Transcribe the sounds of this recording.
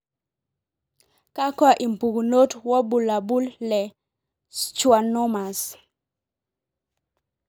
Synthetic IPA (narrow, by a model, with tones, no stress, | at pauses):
ka˦kwa˨ʔi˨mpu˨ɡuno˦twɔ˦bu˨la˨bu˦lːɛ˨ | t͡ʃwa˨nɔ˦ma˨s